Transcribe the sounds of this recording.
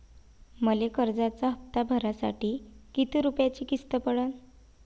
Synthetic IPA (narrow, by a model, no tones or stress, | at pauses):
məlekəɾd͡zat͡saɦəpt̪abʱəɾasa̰ʈiːkit̪iɾupjat͡ɕiːkist̪əpəɽən